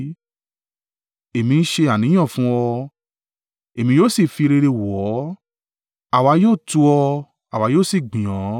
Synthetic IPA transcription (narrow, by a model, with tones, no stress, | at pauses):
e˨mĩ˧n̩˦ʃe˧a˨nĩ˨˦j̃ɔ̃˦˨fũ˦ɔ˧ | e˨mĩ˧joː˦˨si˦˨fi˧ɾe˧ɾe˧wɔ˨˦ | a˨wa˧˦joː˦˨tu˧ɔ˧ | a˨wa˨˧joː˦˨si˦˨ɡ͡bĩ˨jɔ̃˨˦